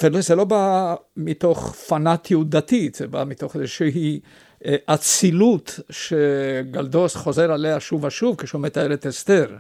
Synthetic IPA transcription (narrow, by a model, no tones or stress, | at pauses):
velozelo̞bamit̪o̞χfanat̪ʰjud̪at̪it̪z̥eba̰mit̪oχezeʃeɦi | ʔat͡silut̪ʃeɡald̪osχozeʁaleaʃuvaʃuvkeʃumet̪aeʁet̪est̪eʁ